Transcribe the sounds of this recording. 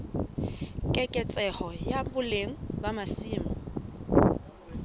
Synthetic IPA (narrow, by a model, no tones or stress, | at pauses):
kʼɛkʼɛt͡sʼɛhɔjabʊleŋ̩bamasiːmɔ